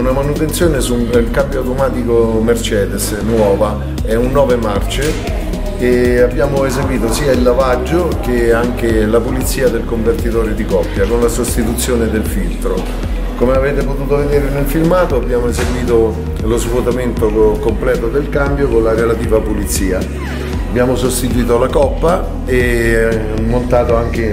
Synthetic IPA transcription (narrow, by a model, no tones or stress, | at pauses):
unamanut̪ent̪sjoːnesuelkambjoawt̪omaːt̪ikomert͡ʃɛːd̪es | nwɔːva | ɛunːɔːvemart͡ʃeː | abːjaːmoezeɡwiːt̪osiːailːavad͡ʒːok̟eaŋk̟elapulit̪sːiːad̪elkoɱvert̪it̪ɔːɾod̪ikɔpːjakonlasost̪it̪ut̪sːjoːned̪elfilt̪ɾo̰ | komeavɛːt̪epot̪uːt̪oved̪eːɾenelfilmaːt̪oabːjaːmoezeɡwiːt̪o | lozvot̪ament̪okomplɛːt̪od̪elkambjokonlaɾelat̪iːvapulit̪sːiːa | abːjaːmosost̪it̪̬uwiːt̪olakɔpːa | e | mont̪aːt̪oaŋk̟e